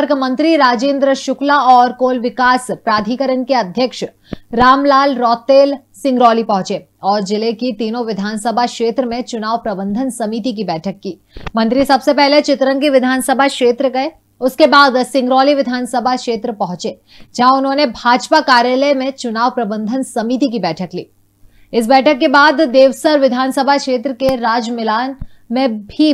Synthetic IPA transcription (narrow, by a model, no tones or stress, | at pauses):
ɾkmɐ̃nt̪ɾiɾaːd͡ʒẽːnd̪ɾəʃʊklaɔːɾkoːlʋɪkaːspɾaːd̪ʱikəɾənkeɐd̪ʱjəkʃ | ɾaːmlaːlɾɔːt̪eːl | sɪ̃ŋɡɾɔːlipɐ̃ɦʊ̃t͡ʃe | ɔːɾd͡ʒɪlekit̪iːnõʋɪd̪ʱaːnsəbʱakʃeːt̪ɾəmẽt͡ʃʊnaːʋpɾɐbə̃nd̪ʱənsɐmiːt̪ik̬ibɛːʈʰəkːiː | mɐ̃nt̪ɾisɐbsepɛɦlet͡ʃɪt̪ɾənkiʋɪd̪ʱaːnsəbʱakʃeːt̪ɾəɡɐe | ʊskebaːd̪sɪ̃ŋɡɾɔːliʋɪd̪ʱaːnsəbʱakʃeːt̪ɾəpɐɦʊ̃t͡ʃeː | d͡ʒɐɦãʊnɦõːnebʱaːd͡ʒpakaːɾjəlemẽt͡ʃʊnaːʋpɾɐbə̃nd̪ʱənsɐmit̪ik̬ibɛːʈʰəklḭː | ɪs̬bɛːʈʰəkːebaːd̪ːeːʋsəɾʋɪd̪ʱaːnsəbʱakʃeːt̪ɾəkeɾaːd͡ʒmɪlaːnmẽbʱi